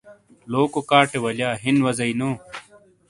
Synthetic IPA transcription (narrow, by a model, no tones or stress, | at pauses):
loːkokaːʈewɐljaːɦinwɐzɐinoː